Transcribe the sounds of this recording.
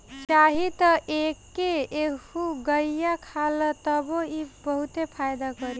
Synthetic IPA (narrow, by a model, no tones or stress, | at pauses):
t͡ʃaɦit̪əʔekːeehuɡəjakʰalət̪əboibəɦut̪epʰajd̪akəɾi